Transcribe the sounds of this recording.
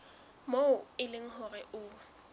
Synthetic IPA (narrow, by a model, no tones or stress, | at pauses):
moʊɪlɪŋ̩ɦʊɣɛʔʊ